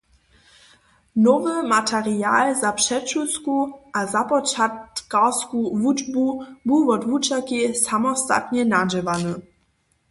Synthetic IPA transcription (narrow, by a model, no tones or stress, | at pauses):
nɔvəmatʰɛʁiaːlzapʂɛt͡ʃuskuʔazapɔt͡ʃatkaskuvud͡ʒbubuvɔdvut͡ʃakisamɔsta̰t̪ɲɛnad͡ʒɛvanə